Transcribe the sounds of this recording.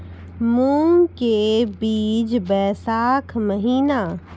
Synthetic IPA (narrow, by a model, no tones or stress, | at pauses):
muːmkebiːd͡ʒbɛːsaːkʰməɦiːna